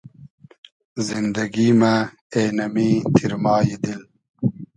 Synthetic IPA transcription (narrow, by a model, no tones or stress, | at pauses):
zind̪ɐɡima | eːnɐmit̪ʰiɾmɑːjid̪il